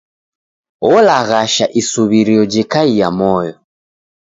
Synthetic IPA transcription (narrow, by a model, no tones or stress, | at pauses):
ɔlaɣaʃaʔisuβiɾiɔd͡ʒikaijamɔjɔ